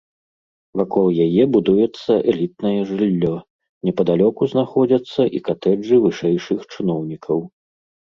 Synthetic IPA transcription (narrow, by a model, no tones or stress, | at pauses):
vakɔlˠjajɛbud̪ujɛt̪sːɐʔɛlʲit̪̚nɐjɛʐɨlʲːɔ | nʲɛpɐd̪alʲɔkuznaxɔd͡zʲɐt̪sːɐʔikat̪ɛd͡ʐɨvɨʂɛjʂɨxt͡ʂɨnɔwnʲikʰɐw